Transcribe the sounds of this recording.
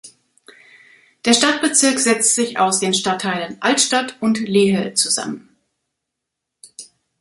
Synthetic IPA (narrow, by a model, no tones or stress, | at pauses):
d̥eːɐʃtat̚b̥ət͡sɪɐkz̥ɛt͡stz̥ɪça̰ʊsd̥eːnʃtatʰːaɪlənʔaltʃtatʊntleːɦət͡suza̰mən